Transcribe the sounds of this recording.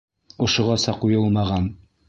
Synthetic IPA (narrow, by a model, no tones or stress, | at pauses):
ŏʃŏʁɑsɑqujɤlˠmɑʁɑn